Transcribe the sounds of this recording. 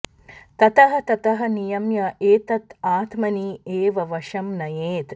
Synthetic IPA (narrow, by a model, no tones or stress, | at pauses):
t̪ɐt̪ɐɦɐ̆t̪ɐt̪ɐɦɐ̆nijɐmjɐeːt̪ɐt̪aːt̪mɐnieːʋɐʋɐʃɐmnɐjeːt̪